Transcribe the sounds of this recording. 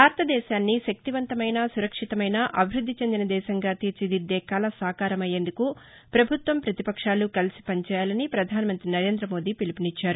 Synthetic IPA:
bʱaːɾɐt̪ɐd̪ɛːʃaːnːiʃɐk̚t̪iʋɐnt̪ɐmɐjnɐsuɾɐkʂit̪ɐmɐjnɐʔɐbʱiɾud̪ʱːit͡ʃe̞nd̪inɐd̪ɛːʃɐŋɡaːt̪iːɾt͡ʃid̪id̪ːɛːkaːlɐsaːkaːɾɐmɐje̞ːnd̪uku | pɾɐbʱut̪ʋɐmpɾɐt̪ipɐkʂaːlukɐlisi̥pɐɲt͡ʃɛːjaːlɐnipɾɐd̪ʱaːnimɐnt̪ɾinɐɾe̞ːnd̪ɾɐmo̞ːd̪iːpilipinit͡ʃːaːɾu

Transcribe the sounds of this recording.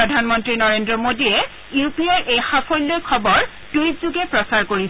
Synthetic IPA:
ɔdʱanmɔntɹinɔɹendɹɔmodiɛ | jupiaɹʔexapʰɔjlːɔkʰɔbɔɹ | tujtzuɡɛpɹɔsaɹkoɹis

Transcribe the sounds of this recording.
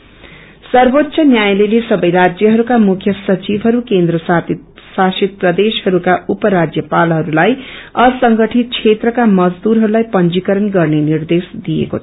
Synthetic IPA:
sʌrbot̪ːsʰʌnjajlelesʌbʌjɾad͡zjʌɦʌɾukamukʰjʌsʌt͡sibʱɦʌɾukend̪rʌssasit̪̚prʌd̪eshʌɾukaupʌɾad͡zjʌpalɦʌɾulajʌsʌŋɡʌʈʰit̪̚t͡sʰet̪rʌkamʌd͡zd̪uɾɦʌɾulajpʌnd͡ʒikʌɾʌnɡʌrnenird̪esd̪ijḛko̰t͡sʰʌ

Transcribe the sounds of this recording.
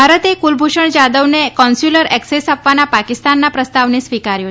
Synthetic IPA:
bʱaɾət̪ekulbʱoʂəɳd͡ʑad̪əʋnekɔnsjuləɾɛksesapʋanapakist̪anːapɾəst̪aʋnesʋikaɾjo

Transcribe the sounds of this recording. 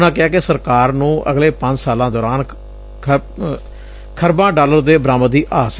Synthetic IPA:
nãːkɪaːkesəɾkaːɾnũːʔə̰ɡleːpəɲd͡ʒsaːlãːd̪ɔːɾaːn | kʰəɾbãːɖaːləɾd̪eːbɾaːməd̪iːʔaːs

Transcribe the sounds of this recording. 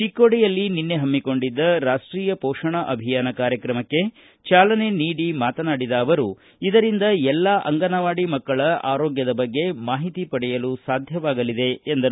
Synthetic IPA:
t͡ʃikːoɽijɐlːininːe̞ɦɐmːiko̞ɳɖid̪ːɐɾaːʂʈɾiːjɐpɔːʂɐɳɐʔɐbʱijaːnɐkaːɾjɐkɾɐmɐkːe̞ | t͡ʃaːlɐne̞niːɽimaːt̪ɐnaːɽid̪ɐːʋɐɾu | id̪ɐɾind̪ɐɛlːaʔɐ̰ŋɡɐnɐʋaːɽimɐkːɐɭɐʔa̰ːɾoːɡjɐd̪ɐbɐɡːe̞maːɦit̪ipɐɽɛjɐlusaːd̪ʱjɐʋaːɡɐlid̪e̞ːnd̪ɐ

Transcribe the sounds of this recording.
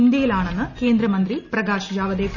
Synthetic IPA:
nd̪jɐjilaːɳenːɨke̞ːnd̪ɾɐmɐnd̪ɾiprɐɡaːɕɐd͡ʑaːʋɐd̪eːkː

